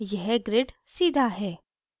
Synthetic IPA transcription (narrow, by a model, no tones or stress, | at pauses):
jɛɦɡɾeʈsiːd̪ʱaɦɛː